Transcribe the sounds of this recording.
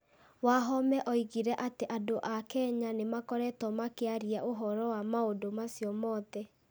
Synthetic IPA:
waɦɔmɛʔɔiɣiɾɛʔateʔadoʔakɛɲanemakɔɾɛtɔmakeaɾiaʔoɦɔɾɔwamaodomasjɔmɔðɛ

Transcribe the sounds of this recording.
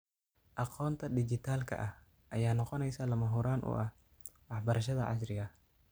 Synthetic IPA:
ʔɑqɔːnt̪ʰɐd̪ɪt͡ʃɪt̪ʰaːlkʰɐ̰ʔɐh | ʔɐjaːnɔqɔnɛjsaːlɐmɐɦuɾaːnʔʊ̰ʔɐh | wɑħbɐɾɐʃɐðɐʕɑ̰s̬rɪɣɐ

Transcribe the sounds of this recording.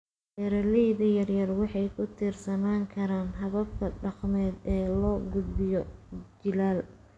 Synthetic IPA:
ʔɛːɾɐlɛjðɐjɐrjɐrwɑħɑjkʰʊt̪ʰiːrsɐmaːŋkʰɐɾaːnɦɐβɐb̚kʰɐɖɑqmɛːd̪ɛːlɔːɡʊd̪bɪjɔt͡ʃɪlaːl

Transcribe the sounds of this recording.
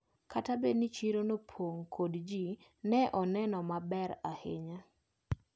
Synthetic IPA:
katabenit͡ʃiɾonopʰoŋkʰodd͡ʒinɛʔɔnɛnɔmabɛɾahɪ̰ɲa

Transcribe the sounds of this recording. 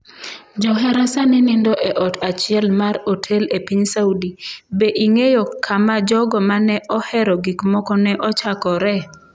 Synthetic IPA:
d͡ʒɔɦɛɾasanɛnindɔʔɛʔɔtʰat͡ʃɪɛlmaɾotʰelepiɲsaudibeʔiŋejokʰamad͡ʒɔɡɔmanɛʔɔhɛɾɔɡikmɔkɔnɛʔɔt͡ʃakɔɾɛ

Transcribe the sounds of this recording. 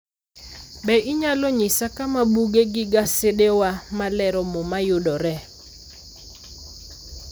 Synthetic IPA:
bɛʔɪɲalɔɲɪsakamabuɡeɡɪɡasedewamalɛɾɔmomajʊdɔɾɛ

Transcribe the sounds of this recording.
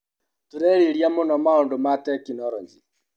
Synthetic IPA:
tuɾɛɾiɾjamonɔmaondomatɛkinɔɾɔɲd͡ʒi

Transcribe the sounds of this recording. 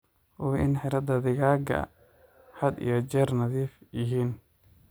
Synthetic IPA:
ʔɔːɪ̰nħɪɾɐd̪ɐðɪɣaːɡɐ̰ | ħɐd̪ḭjɔt͡ʃɛːrnɐðiːfjɪɦiːn

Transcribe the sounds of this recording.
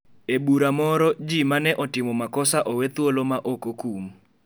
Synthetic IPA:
ebuɾamɔɾɔd͡ʒimanɛʔɔtɪmɔmakɔsaʔowet̪wolomaʔokokum

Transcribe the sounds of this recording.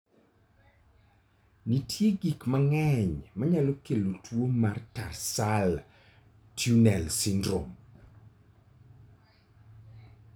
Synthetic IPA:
nitʰjeɡikmaŋɛɲmaɲalokelotʰwomartarsal | tʰjunɛlsɪndɾo̰m

